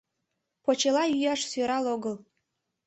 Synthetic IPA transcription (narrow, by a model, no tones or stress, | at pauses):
pot͡ɕelɑjyjɑʃsøɾɑloɣəl